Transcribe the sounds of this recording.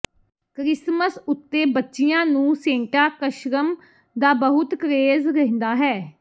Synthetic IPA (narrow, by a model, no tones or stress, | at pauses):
kɾɪsməsʊt̪ːeːbətːʃɪjãːnũːsẽːʈaːkəʃɾəm | d̪aːbəɦʊt̪kəɾeːzɾəɦɪ̃nd̪aːɦɛː